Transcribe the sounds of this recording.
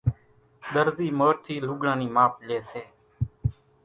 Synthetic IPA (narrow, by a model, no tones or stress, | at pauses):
ɗ̪əɾziːmoːt̪ʰiːlʊɡɽãːniːmaːpleːseː